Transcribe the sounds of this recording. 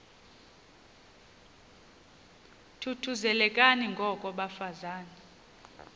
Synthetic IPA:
tʰutʰuzɛlɛkʼaniŋɡʱɔkʼɔɓafazaːnɛ

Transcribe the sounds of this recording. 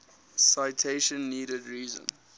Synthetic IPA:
saɪtʰeɪʃə̃nːiːɾədɹiːzə̰̃n

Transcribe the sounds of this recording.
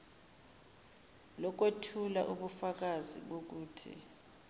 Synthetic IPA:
lɔk̬ʼwetʰula̰ʔuɓufak̬azḭɓok̬uːtʰḭ

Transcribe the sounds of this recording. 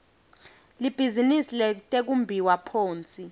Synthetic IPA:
lib̥ʱizinisilɛtʼek̬umbʱiwapʰoːnt͡sʼi

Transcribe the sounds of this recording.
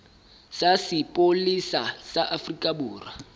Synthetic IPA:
sasɪpʼolisasaʔafrikʼabuːra

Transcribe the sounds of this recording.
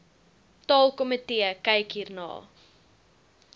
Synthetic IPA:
tɑːlˠkɔmətiəkɐjkɦiːrnɑ̰ː

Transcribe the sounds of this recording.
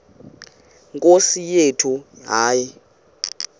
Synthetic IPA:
ŋkʼosijetʰuɦaːji

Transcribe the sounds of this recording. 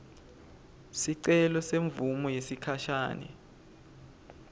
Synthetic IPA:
siǀɛlɔseɱvumɔjesikʰaʃaːnɛ̰

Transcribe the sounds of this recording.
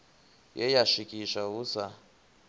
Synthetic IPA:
jɛjaʃikʼiʃausa

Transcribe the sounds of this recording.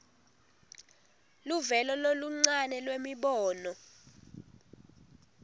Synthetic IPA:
luvɛlɔloluŋ͡ǀanɛlwemiɓɔːnɔ

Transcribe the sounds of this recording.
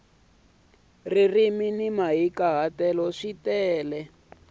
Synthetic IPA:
ririminimaɦikaɦatɛlɔʂitɛːlɛ

